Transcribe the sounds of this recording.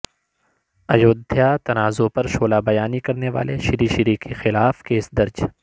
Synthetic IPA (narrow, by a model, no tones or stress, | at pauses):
ɐjoːd̪ʱjat̪ɐnaːzopɐɾʃoːlabɐjaːnikɐɾneʋa̰ːleʃɪɾiʃɪɾiːkexɪlaːfkeːsd̪ɐɾd͡ʒ